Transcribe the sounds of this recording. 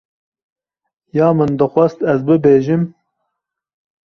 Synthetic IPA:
jɑːmɨnd̪ɨxʷɛst̪ɛzbɨbeːʒɨm

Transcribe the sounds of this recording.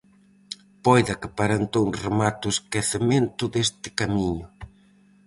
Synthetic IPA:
pɔjðɐkɪpaɾant̪ouŋremat̪ʊeskeθement̪ʊðest̪ɪ̥kamiɲʊ

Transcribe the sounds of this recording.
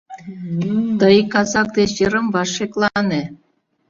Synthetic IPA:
t̪ɤjikɑzɑk̚d̪eɕjɤɾɤ̆mvɑʂeklˠɑne

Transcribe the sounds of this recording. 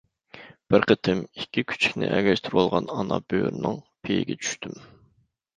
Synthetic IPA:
b̥ɪɾqət̪ʰɪmikʲːikʲʰy̥t͡ʃʰi̥kʲnɪ̰ʔɛɡʲɛʃt̪ʰyɾolˠʁɑnɑnɑb̥øɾnɪŋpʰejɪɡʲɛt͡ʃʰy̥ʃt̪ʰym

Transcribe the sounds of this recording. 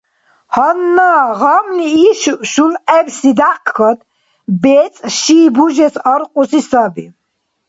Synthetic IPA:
hɔnːaːʁamniːʃʃulɛbsid̪aqkʰɔd̪ | bɛt͡sʼʃiːbuʒɛsaɾqʼusisabḭ

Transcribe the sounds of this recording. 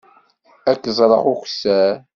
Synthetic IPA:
ækːzˤɾˤɑ̰ʁuxsæ

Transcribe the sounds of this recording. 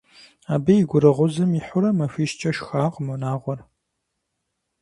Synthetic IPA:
aːbɐjɪɡʷʊɾɐʁʷʊzɨmiħʊɾɐmɐfiːʃt͡ʃʼɐʃxaːqəmunaːʁʷɔr

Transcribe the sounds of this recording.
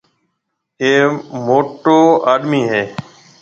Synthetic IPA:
eːmoːʈoːaːɗmiːɦeː

